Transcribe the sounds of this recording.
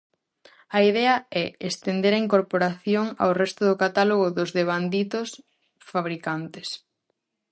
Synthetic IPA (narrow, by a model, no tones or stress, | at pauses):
ɐiðɛɐɛest̪end̪eɾɐiŋkoɾpoɾaθjoŋa̰wrɛst̪ʊðʊkat̪aloɣ̞ʊðʊzðeβ̞and̪it̪ʊs | faβɾikant̪es